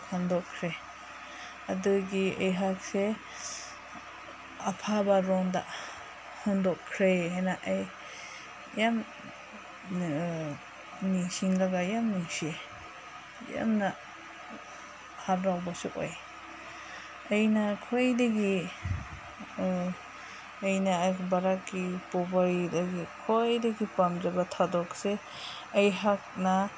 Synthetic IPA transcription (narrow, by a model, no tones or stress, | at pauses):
hɔndɔkʰɾe | ɐduɡiejɦak̚se | ɐpʰabaɾɔŋda̰ | hɔndɔkʰːɾeɦenaʔaj | jam | nisiŋlaɡajamnise | ja̰mna | hatɾawbasuko̰j | ɐjnakʰojdeɡi | jnaːjbaɾakːipɔbaɾidaɡikʰojdaɡipamd͡ʒabatʰadɔkse | ajɦak̚na